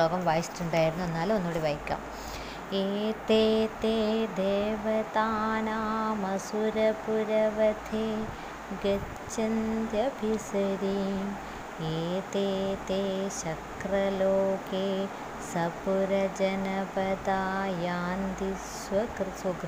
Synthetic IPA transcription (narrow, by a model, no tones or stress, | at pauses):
oːɡɐmʋaːjisi̥tːuɳɖaːjiɾunːuenːaːlonːoːɽiʋaːjikʲːa̰ːm | eːt̪eːt̪eːd̪eːʋɐt̪aːnaːmɐsuɾɐpuɾɐʋɐt̪ʰeː | ɡɐ | t͡ʃːɐnt̪jɐbʱisɐɾiːm | eːt̪eːt̪eːɕɐkrɐloːke | sɐpuɾɐd͡ʒɐnɐbɐd̪aːjaːnd̪is | ʋɐkɾɨsɐɡ